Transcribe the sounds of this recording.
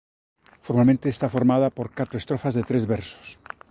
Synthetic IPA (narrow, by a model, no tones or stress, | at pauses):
foɾmalmẽnt̪eːst̪afoɾmaðapoɾkat̪ɾoest̪ɾofazðet̪ɾezβeɾso̥s